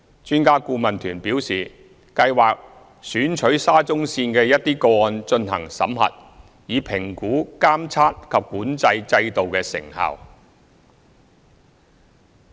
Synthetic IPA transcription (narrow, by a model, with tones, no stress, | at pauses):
t͡ʃyː˥nkaː˥kuː˧mɐ˨˩nt̪ʰyː˨˩npiː˨˥wsiː˨˩ | kɐ˧jwaː˨k̚ | syː˨˥nt͡ʃʰɵ˨˥ɥsaː˥t͡sʊ˥ŋsiː˧nkɛː˧jɐ˥t̚t̪iː˥koː˧ɔː˧nt͡ʃɵ˧nɦɐ̰˨˩ŋsɐ̰˨˥mhɐ̰˨t̚ | jiː˨˧pʰɪ˨˩ŋkuː˨˥kaː˥mt͡sʰaː˥t̚kʰɐ˨p̚kuː˨˥nt͡sɐ˧jt͡sɐ˧jt̪o˨wkɛː˧sɪ̰˨˩ŋhɐ̰˨w